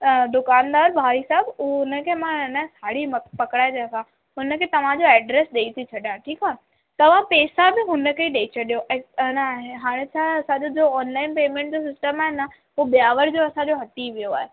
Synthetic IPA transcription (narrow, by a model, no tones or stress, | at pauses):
d̪ʊkaːnd̪aːɾbʱaːɾisaɦɪbʊnəkʰemãnəsaːɽimpɐkɽaːed̪eãkʰã | ɦʊnə̆kʰet̪ɐʋ̤ãd͡ʑoɛːɖɾeːsɗeit̪ʰit͡ɕʰɐɗijãʈʰiːkaː | t̪ɐʋ̤ãpeːsabɪɦʊnə̆kʰeɗeit͡ɕʰɐɗijoʔenəɦaːɽ̃et͡ɕʰaɐsãd͡ʑod͡ʑoːɔːnlaːɪnpeːmẽɳʈ̚d͡ʑos̬ɪsʈəmaːɦenə | ɦuɓijaːʋəɾd͡ʑoɐsãd͡ʑoɦɐʈ̪iʋijoa̰ːɦe